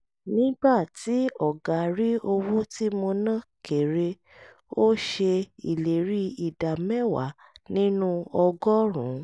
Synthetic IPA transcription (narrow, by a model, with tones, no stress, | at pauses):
nĩ˦ɡ͡ba˦˨ti˨˦ɔ˨ɡa˨ɾi˦o˧wo˦ti˦mo˧nã˦˨ke˨ɾe˧ | o˦ʃe˧i˨le˨ɾi˦i˨da˨mɛ˦˨wa̰˨˦ | nĩ˦nũ˦ɔ˧ɡɔ˦ɾ̃ũ˨˦